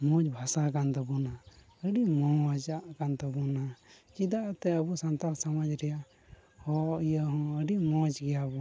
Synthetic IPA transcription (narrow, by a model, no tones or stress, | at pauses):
mɔ̃d͡ʒbʱasakant̪əbuna | əɖimɔ̃d͡ʒaʔkant̪əbunat͡ʃid̪aʔt̪ɛəbusant̪aɾsamad͡ʒɾɛja | hɔijaɦɔ̃əɖimɔ̃t͡ʃɡɛjabu